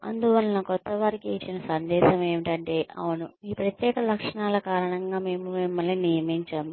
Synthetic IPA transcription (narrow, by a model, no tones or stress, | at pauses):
ɐ̰nd̪uʋɐlɐnɐkɔt̪ːɐʋɐɾikiit͡ʃːinɐsɐnd̪ɛːʃɐme̞ːʋiʈɐɳʈe̞ːʔɐ̰ʋunuiːpɾɐt̪jɛːkɐlɐkʂɐɳaːlɐkaːɾɐɳɐŋɡaːme̞ːmumimːɐlːinijɐmeːɲt͡ʃɐm